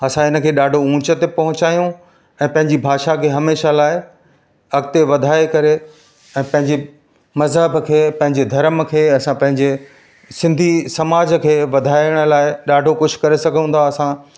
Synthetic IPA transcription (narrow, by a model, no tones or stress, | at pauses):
ɐsãɪnə̆kʰeːɗaːɖʱoũːt͡ɕət̪epɐɦʊ̃t͡ɕaːjũ | ɛ̃ːpɐ̃ɦɪ̃ɲd͡ʑibʱaːʃakʰeːɦɐmeːʃalaːɪ | ɐɡt̪eʋɐd̪ʱaːekɐɾe | ɛ̃ːpɐ̃ɦɪ̃ɲd͡ʑe | mɐzɦəbkʰeːpɐ̃ɦɪ̃ɲd͡ʑed̪ʱɐɾmkʰeːɐsãpɐ̃ɦɪ̃ɲd͡ʑe | sɪ̃nd̪ʱisɐmaːd͡ʑkʰeːʋɐd̪ʱaːɪəɽ̃ə̆laːɪɗaːɖʱokʊʃʰkɐɾesɐɡʱə̃nd̪aɐsã